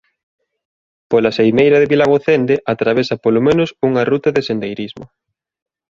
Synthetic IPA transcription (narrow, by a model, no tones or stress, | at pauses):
polasejmejɾɐðɪβilaɣoθend̪eʔat̪ɾaβesɐpolomẽnʊsuŋɐrut̪ɐðesend̪ejɾizmo̰